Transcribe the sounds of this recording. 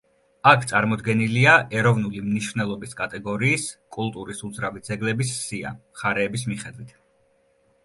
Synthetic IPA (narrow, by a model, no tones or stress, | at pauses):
akʰt̪sʼaɾmɔd̪ɡɛniliaʔɛɾɔvnulimniʃvnɛlˠɔbiskʼat̪ʼɛɡɔɾiːskʼulˠt̪ʼuɾisud̪zɾavid̪zɛɡlɛbissia̰mχaɾɛːbis̬miχɛd̪wit̪ʰ